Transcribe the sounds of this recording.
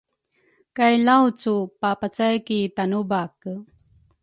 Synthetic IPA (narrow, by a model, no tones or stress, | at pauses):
kajlawt͡supapat͡sajkit̪anubak